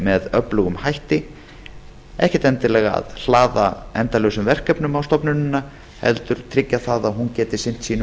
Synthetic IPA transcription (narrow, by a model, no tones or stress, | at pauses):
mɛðœplʏɣʏmhajht̪ɪ | ɛ̰hcɛt̪ɛnt̪ɪlɛːɣaa̰ðl̥aːðaɛnt̪alœːwsʏmvɛr̥kɛpnʏmawst̪ɔpnʏnɪnːa | hɛ̰lt̪ʏɾ̥t̪ʰɾɪcːaθaðaðɦuncɛːt̪ɪsɪn̥t̪siːn